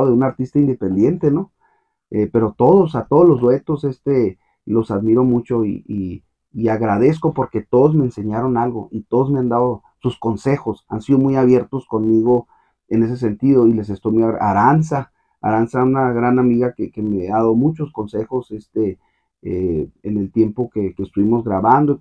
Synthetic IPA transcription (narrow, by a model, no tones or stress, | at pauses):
oðeunaɾt̪ist̪aind̪e̞pe̞nd̪je̞nt̪e̞no | epe̞ɾo̞t̪o̞ðosat̪oðozlo̞zd̪we̞t̪o̞se̞st̪e | lo̞saðmiɾo̞mut͡ʃo̞ḭiː | aɣɾað̞e̞s̬ko̞po̞ɾke̞t̪o̞ðozme̞ːnse̞ɲaɾo̞nalɣo̞̰ʔit̪o̞ðo̞zmeand̪aðo | susko̞nse̞xo̞sa̰nsiðomujaβje̞ɾt̪osko̞nmiɣo̞ | e̞ne̞s̬e̞s̬e̞nt̪iðo̞ile̞s̬est̪ojmujaaɾansa | a̰ɾansaunaɣɾanamiɣakekemeaðaoomut͡ʃo̞sko̞nse̞xo̞sest̪e | eene̞lt̪je̞mpo̞kekest̪uβimo̞zɣɾaβand̪o